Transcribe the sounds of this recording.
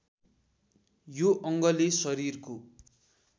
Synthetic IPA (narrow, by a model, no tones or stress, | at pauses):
joʔʌŋɡʌlisʌɾirko